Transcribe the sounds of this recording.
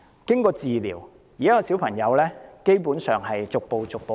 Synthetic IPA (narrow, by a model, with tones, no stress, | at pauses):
kɪ˥ŋkɔː˧t͡siː˨lḭː˨˩w | jiː˨˩˥kɔː˧siː˨˥wpʰɐ˨˩ŋjɐ˨˧wlɛː˥ke˥jpuː˨˥nsœː˨ŋɦɐ˨jt͡sʊ˨k̚po˨˧wt͡sʊ˨k̚po˨˧